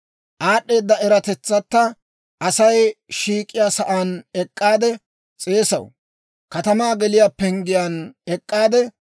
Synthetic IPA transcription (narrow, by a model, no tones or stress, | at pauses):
ʔaːɗːe̞ːd̪ːɐɛɾɐt̪ɛt͡sːɐt̪ːɐ | ʔɐsɐjʃiːkʼːɪjaːsɐʔaːnɛkʼːaːd̪ɛ | t͡sʼe̞ːsɐ̰w | kɐt̪ɐmaːɡɛlɪjapːɛŋɡɪjaːnɛkʼːaːd̪ɛ